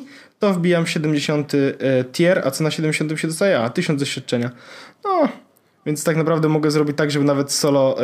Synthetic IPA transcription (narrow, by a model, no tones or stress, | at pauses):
t̪ɔvbʲijamɕɛd̪ɛmd͡ʑeɕɔnt̪ɘt̪ʲjɛɾa̰t̪sɔnaɕɛd̪ɛmd͡ʑeɕɔ̃nt̪̬ɨmɕɛd̪ɔst̪ajɛat̪ɘɕɔ̃nzd̪ɔɕfʲjat̪̚t͡ʂɛɲanɔ | vʲjɛnt̪st̪aknapɾavd̪ɛmɔɡɛzɾɔbʲit͡ɕt̪aɡʐɛbɘnavɛt̪sɔlɔ